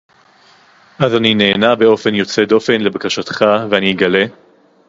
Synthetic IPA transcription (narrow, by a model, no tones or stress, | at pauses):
ʔazanine̞ːnabe̞o̞fe̞njo̞t͡se̞d̪o̞fe̞nle̞bakaʃat̪χaveaniɡale̞